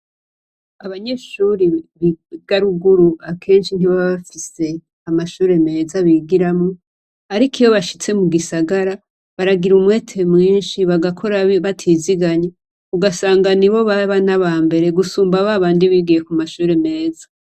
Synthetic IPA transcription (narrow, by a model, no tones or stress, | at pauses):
aβaɲe̞ʃuːɾiβiɡ̥aɾuɡuɾuakʰe̞ːnʃin̥iβaβaβafise̞ | amaʃuːɾe̞me̞ːzaβiːɡiɾamŋo | aɾikijo̞βaʃi̥t͡se̞muɡisaɡaɾa | βaɾaɡiɾumwe̞ːtʰe̞mŋiːnʃiβaɡakʰo̞ɾaβatʰiziɡaɲe | uɡasaːŋɡaniβo̞βaβanaβaːmbe̞ɾe̞ɡusuːmbaβaβaːndiβiːɡije̞kumaʃuːɾe̞me̞ːzḁ